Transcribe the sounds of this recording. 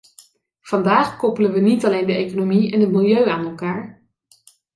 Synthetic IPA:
v̥ɑndaːχkɔpələnʋənitɑlejndəejkonomiɛnɦətmɪlˠjøɥaːnɛlˠkaːɹ

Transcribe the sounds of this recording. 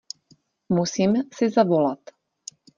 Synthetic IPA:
musiːmsizaʋɔlat̪

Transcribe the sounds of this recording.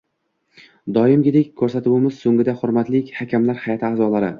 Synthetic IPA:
d̪ɒjɪmɡʲɪd̪ekʲkʰːɵɾsat̪ʊwɪmɪz̥sɵŋɡʲɪd̪ahʊɾmat̪lɪkʲhakʲʰamlaɾhajɒt̪ʰɪaːzɒlaɾɪ

